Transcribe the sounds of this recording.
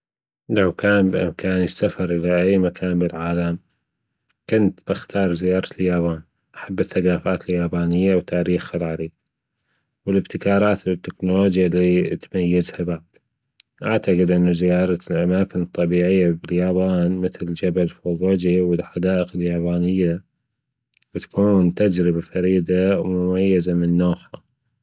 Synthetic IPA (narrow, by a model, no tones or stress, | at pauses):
lawkaːnbʔɪ̰mkʰaːnəsːafɑɾˤʔɪlaʔajmakʰaːnbɪlʕaːlam | kʊnt̪b̥ɪxt̪ʰɑːɾˤzɪjɑːɾˤɑljaːbaːn | ʔaħabːɪθːaɡaːfaːt̪ɪljaːbaːnɪjːawt̪ʰaːɾiːxxɑɾˤɑːɾi | wɪlɪbt̪ɪkɑːɾˤɑːt̪bɪt̪ːɪknʊloːd͡ʒjalit̪majːazhabaʕd̪̥ | ʔaʕt̪aqɪd̪ʔɪnːazɪjɑːɾˤɑlʔamaːkɪnɨt̪ˤːɑbiːʕɪjːabɪljaːbaːnmɪθld͡ʒabalfoːɣoːd͡ʒiwɪlħad̪aːʔəqɪljaːbaːnɪjːa | bɪt̪ḁkuːnt̪ad͡ʒɾɪbafɑɾiːd̪awmʊmajːazamɪnːoːħha